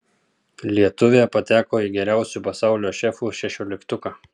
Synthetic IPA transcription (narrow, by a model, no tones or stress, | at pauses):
lʲiɛt̪ʊʋʲepɐt̪ʲæːkoːɪɡʲɛɾʲæˑʊsʲuˑpɐsɑˑʊlʲoːʃʲɛfuːʃʲɛʃʲoːlʲɪkt̪ʊkaː